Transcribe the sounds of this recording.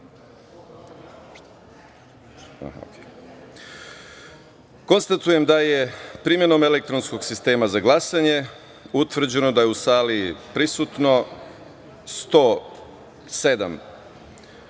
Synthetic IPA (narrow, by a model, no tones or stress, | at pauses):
oke | ko̞nst̪at̪uje̞md̪ajepɾimje̞no̞me̞lek̚t̪ɾo̞nsko̞ɡsist̪e̞ːmazaɡlˠasaɲe̞ | ut̪ʋr̩d͡ʑe̞no̞d̪ajeusaːliipɾisut̪no̞ | st̪oː | se̞d̪a̰m